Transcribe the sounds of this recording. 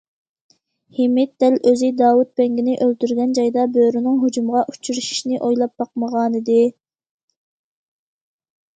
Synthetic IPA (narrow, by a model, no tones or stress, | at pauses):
hɪmɪt̪̚d̪̥ɛløzɪd̪ɑːwut̪̚pɛŋɡʲinɪʔølt̪yɾɡʲɛnd͡ʒɑjd̪ɑbøɾynɪŋɦod͡ʒumʁɑʔu̥t͡ʃʰyɾuʃi̥ʃnɪʔojlˠɑp̚b̥ɑq̚məʁɑːnɨd̪ɪ